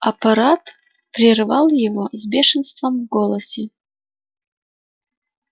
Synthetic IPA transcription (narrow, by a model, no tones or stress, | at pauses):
ɐpɐɾat̪ | pɾʲɪrvɑlˠjɪvozbʲeʂɨnst̪vəmvɡolˠəsʲɪ